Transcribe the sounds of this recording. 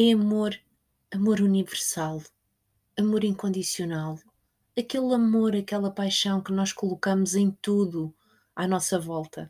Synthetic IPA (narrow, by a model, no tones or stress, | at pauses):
ɛɐmoɾ | ɐmoɾunivɨɾsalˠ | ɐmoɾĩŋkõnd̪isiunalˠ | ɐkelˠɐmoɾɐkɛlˠɐpajʃɐ̃w̃kɨnɔʃkulˠukɐmuzẽj̃t̪uðu | anɔsɐvɔlˠt̪ʰɐ